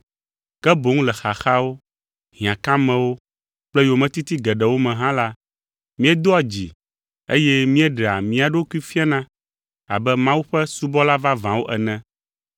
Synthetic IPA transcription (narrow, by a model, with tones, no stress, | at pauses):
kɛ˦bo˨˦ŋũ˦lɛ˨xa˨xa˦wo˦ | ɦĩ˨ã˨kã˦mɛ̃˨wo˦ | k͡plɛ˦jo˨mɛ̃˨t̪i˦t̪i˦ɡɛ˨ɖɛ˨wo˦mɛ̃˨ɦã˦la˦ | mĩ˦ɛ˦d̪o˦a˨d͡ʑi˨ | ḛ˦jɛ˦mĩ˦ɛ˦ɖɛ˨a̰˨mĩ˦a˨ɖo˦ku˦i˦fi˦a˦nã˦ | a̰˨bɛ˦mã˦wu˦ɸɛ˦su˦bɔ˦la˦va˦vã˨wo˦ʔɛ˨nɛ̃˦